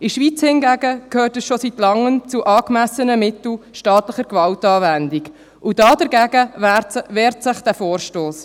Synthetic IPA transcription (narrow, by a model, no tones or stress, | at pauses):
ɪʃʋiːt͡shɪnɡæɡəkʰøːtəsʃositlɑŋːəmt͡suʔɑːkmæsənəmɪtl̩ʃtɑːtləχəɾkvɑltɑːvændiɡ | ʔud̥ɑːdəɾɡæɡəætvɛːɾtsɪχd̥æfoːɾʃtoːs